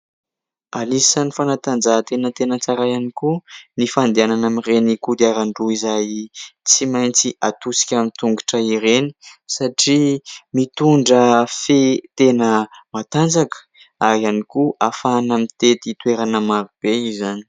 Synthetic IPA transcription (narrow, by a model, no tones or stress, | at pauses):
alisanifanat̪and͡zat̪enət̪enət͡saɾajanikunifand̪eananamirenikud̪aɾaɳɖ͡ʐuizajt͡simajnt͡siat̪usi̥kʲamint̪uŋɡiʈ͡ʂəiɾeni̥saʈ͡ʂimit̪uɳɖ͡ʐəfet̪enəmat̪and͡zakə̥ | ajanikuʔafanamit̪et̪it̪ueɾanəmavib̥eizani̥